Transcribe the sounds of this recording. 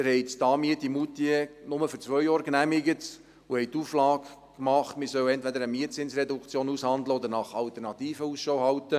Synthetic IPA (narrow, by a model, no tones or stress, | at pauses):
ɪɾhɛɪtt̪ɑːmiətimut̪iənʊməfʏɾt͡sʋœjjɑːɾknæmɪɡət | ʊhɛjt̪ːuflɑːk | kmɑχtmɪsœwɛntʋɛd̪əɾəmiətt͡sɪnsrɛdukt͡sjoːnushɑnd̪ləɔd̪əɾnɑχɑlt̪əɾnɑt̪iːfəusʃowhɑwtə